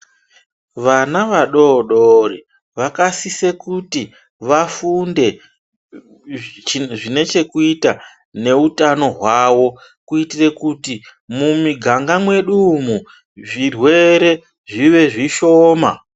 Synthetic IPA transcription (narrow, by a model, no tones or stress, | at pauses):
ʋanaʋaɗo̞ɗore | ʋakasise̞kuti | ʋafunde̞ | ʐine̞t͡ʃe̞kuita | ne̞utano̞ɦwaːwo̞ | kuitire̞kuti | mumiɡʱaŋɡamwe̞ɗum̤u | ʐirwe̞ɾe̞ | ʐiʋe̞ʐiʃo̞ːma̰